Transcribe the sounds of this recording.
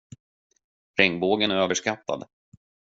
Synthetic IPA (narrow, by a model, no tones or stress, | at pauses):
fɾɛŋboːɡənæɾøːvəʂkat̪ːa̰d̪